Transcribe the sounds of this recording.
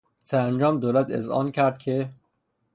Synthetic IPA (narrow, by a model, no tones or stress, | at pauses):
sæænd͡ʒɒːmd̪oːlæt̪ʰḛzɒ̰ːncʰæɾd̪̥̚cʰe